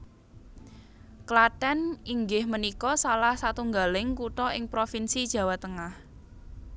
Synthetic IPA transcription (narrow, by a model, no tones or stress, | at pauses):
klaʈɛniŋɡɪhmənikɔsalahsat̪uŋɡalɪŋkuʈɔɪŋpɾofinsid̥ʒ̥ä̤wat̪əŋah